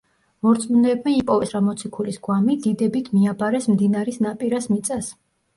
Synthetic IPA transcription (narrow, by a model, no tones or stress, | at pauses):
mɔɾt̪sʼmunɛːbmɛipʼɔvɛsɾamɔt̪sʰikʰulisɡwamid̪id̪ɛbit̪ʰmiabaɾɛsmd̪inaɾisnapʼiɾasmit̪sʼas